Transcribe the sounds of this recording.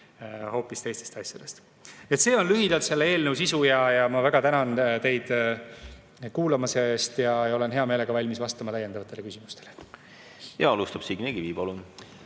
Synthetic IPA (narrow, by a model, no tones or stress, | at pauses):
ho̞ːpːist̪e̞jst̪e̞st̪ɑsʲjɑd̪̥e̞st̪ | et̪se̞ːo̞nlyɦid̪̥ɑlt̪se̞lːee̞ːlnəwsisujɑjɑmɑvæɡ̥ɑt̪ænɑnt̪e̞jd̪̥ | kuːlɑmɑsest̪jɑjo̞le̞nɦe̞ɑmeːle̞ɡ̥ɑvɑlʲmisvɑst̪ɑmɑlæjːe̞nd̪ɑvɑt̪ːˑe̞le̞kysimust̪e̞le | jɑɑlust̪ɑb̥siɡ̥neɡ̥iviːbolun